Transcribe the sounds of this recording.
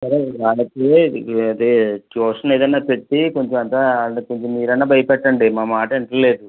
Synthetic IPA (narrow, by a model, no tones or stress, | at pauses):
sɐɾeʋaːlɐkeɐd̪et͡ʃoːʂɐne̞ːd̪ɐnːaːpe̞ʈːiko̞ɲt͡ʃomɐnt̪aːkoɲt͡ʃomːiːɾɐnːaːbʱɐjɐpɛʈːɐɳɖimaːmaːʈɐiɳʈɐle̞ːd̪u